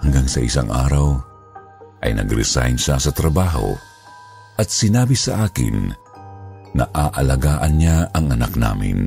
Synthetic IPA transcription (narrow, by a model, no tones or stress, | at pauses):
hɐŋɡaŋsɐ̰ʔɪsa̰ŋʔa̰ːɾɐw | ʔɐjnɐ̰ɡɾɛ̰sa̰jnʃasɐt̪ɾɐbaːɦo̰ | ʔɐt̪̚sɪnaːbisɐʔaːkɪ̰n | ɐʔaːʔɐlɐɡaːʔɐnɲaʔɐŋɐnak̚na̰ːmɪ̰n